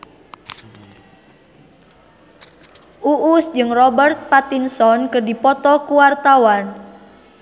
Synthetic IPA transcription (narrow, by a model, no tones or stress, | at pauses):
uʔusd͡ʒɨŋrɔbərt̪̚pat̪insɔnkərdipɔt̪ɔkuwart̪awan